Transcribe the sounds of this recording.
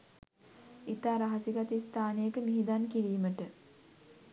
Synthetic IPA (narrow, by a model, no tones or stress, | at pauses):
it̪aːɾaɦasiɡat̪ist̪aːnejəkəmiɦid̪ankiɾiːməʈə